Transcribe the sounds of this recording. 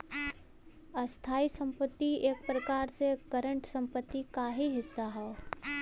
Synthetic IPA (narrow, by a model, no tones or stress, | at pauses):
ɐst̪ʰaːisə̃mpət̪ːieːk̚pɾəkaːɾsekəɾə̃ɳʈsɐ̃mpət̪ːikaːɦiɦɪsːaɦɛo